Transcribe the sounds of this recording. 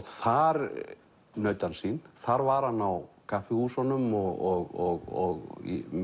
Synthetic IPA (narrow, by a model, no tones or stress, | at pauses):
θaɾ | nœːɥt̪ansinθaɾvaɾhanːawkʰafɪhuːsanʏmɔɣɔɣɔɣɔɣḭ